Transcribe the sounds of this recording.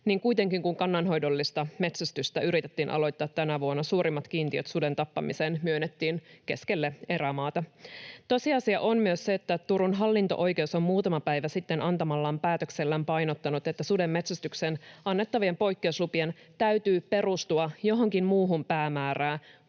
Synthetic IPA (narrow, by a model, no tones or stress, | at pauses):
niːŋkuit̪e̞ŋkiŋkuŋkɑnːɑnɦo̞jdolːist̪ɑme̞t̪sæst̪yst̪æyɾit̪et̪ːiːnʔɑ̰lo̞jt̪ːɑːt̪t̪ːænæʋuonːɑsuːɾimːɑt̪k̟iːnt̪iøt̪sude̞nt̪ɑpːɑ̰misenmyønːet̪ːiːnke̞ske̞lːee̞ɾæmɑːt̪ɑt̪o̞siɑsiɑʔommyøsseet̪ːæt̪uɾunɦɑlːint̪oʔo̞jke̞uso̞mmuːt̪ɑmɑpæjʋæsit̪ːenʔɑnt̪ɑmɑlːɑːmpæːt̪økselːæːmpɑjnot̪ːɑnut̪e̞t̪ːæsude̞mːe̞t̪sæst̪yksenʔɑnːe̞t̪ːɑʋiempo̞jkːe̞uslupien | t̪æyt̪yːpe̞rust̪uɑjo̞ɦoŋkimmuːɦumpæːmæːræː